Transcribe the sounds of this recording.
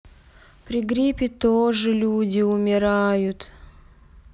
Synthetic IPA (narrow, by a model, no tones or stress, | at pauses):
pɾʲɪɡɾʲipʲɪt̪oʐɨlʲudʲɪʊmʲɪɾajʊt̪